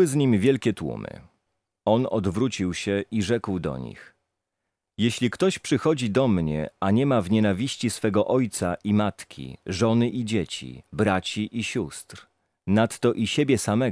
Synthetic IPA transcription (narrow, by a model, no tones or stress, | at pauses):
ɘzɲimvʲjɛlkʲɛt̪wṵmɘ̰ | ɔnɔd̪vɾut͡ɕiwɕɛiʐɛkwd̪ɔ̰ɲḭx | jeɕlʲikt̪ɔɕpʂɘxɔd͡ʑid̪ɔmɲɛ̰aɲɛmavɲɛnavʲiɕt͡ɕisfɛɡɔʔɔjt̪saʔimat̪kʲʰḭʐɔnɘʔid͡ʑet͡ɕḭbɾat͡ɕiʔiɕust̪ɾ | nat̪ːɔʔiɕebʲjɛsamɛ